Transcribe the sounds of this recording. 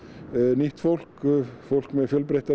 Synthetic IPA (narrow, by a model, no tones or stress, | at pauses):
niht̪fowl̥kfowl̥kmɛðfjœlpɾejht̪a